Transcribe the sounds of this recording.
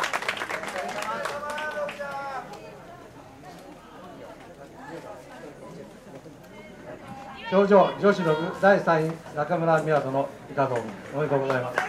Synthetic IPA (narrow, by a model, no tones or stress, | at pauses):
t͡ɕoːd͡ʑoːd͡ʑo̞ɕiɾoɡɯ̟d̪aisãɰ̃ĩnakamɯ̟ɾamʲiat̪o̞noikaɡõːomoikoːɡozaimasɨ̥